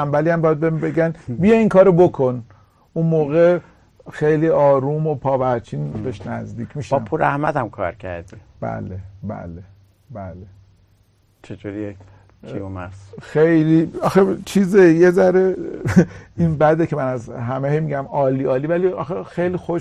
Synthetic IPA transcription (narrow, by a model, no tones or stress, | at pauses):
æmbæliæmbɒːjæd̪̚bembeɡænbijeiŋkʰɒːɾobokʰon | unmoːɣe | xejliɒːɾuːmo̞pʰɒːvæɾt͡ʃʰiːnd̪ɒʃnæzd̪iːcʰmiːʃbɒpʰuɾæhmæt̪æmkʰɒ̰ːɾcʰæ̰ɾd̪i | b̥æ̰lebæ̰le | bæle | t͡ʃʰed͡ʒuɾie | ḭomæsxejliɒxet͡ʃʰizejezæɾe | inbæd̪ecʰemænæzɦæmehejmiɟæmɒːliːɒːliːvæliɒ̰xexejlixo